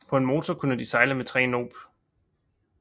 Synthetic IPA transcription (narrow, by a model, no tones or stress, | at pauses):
pʰɒ̽e̝nmo̝ːt͡sʰɒkʰunəd̥isɑ̈ɪləmet͡sʰʁɛ̰ːno̝̰ːb̥